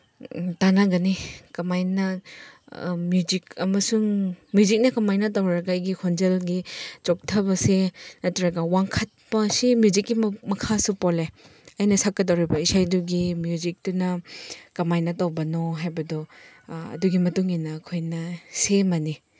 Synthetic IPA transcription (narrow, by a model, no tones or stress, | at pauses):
tanaɡɐnikɐmajnɐ | mjuzikɐ̰mɐsuŋmjuzik̚nɐkɐmajnɐt̬ɐwɾɐɡɐjɡikʰond͡ʒelɡit͡ʃok̚tʰɐbɐsenɐtɾɐɡɐwaŋkʰɐt̚pɐsimjuzikːimɐkʰasupole | ɐjnɐsakːɐdɐwɾibɐisajduɡimjuzik̚tunɐkɐmajnɐtɐwbɐnoɦajbɐdɔ | ɐ̰duɡimɐtuŋinɐːkʰojnɐsemɐni